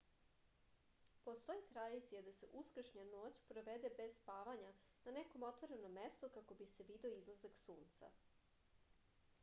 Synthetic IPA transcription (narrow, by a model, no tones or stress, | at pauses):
po̞st̪o̞jit̪ɾad̪it̪sijad̪ase̞ʔuskr̩ʃɲano̞ːt͡ɕpɾo̞ʋed̪ebe̞zspaːʋaɲananeko̞mo̞t̪ʋoɾe̞no̞mːe̞st̪okako̞bise̞ʋid̪eoizlˠazaksuːnt̪sa̰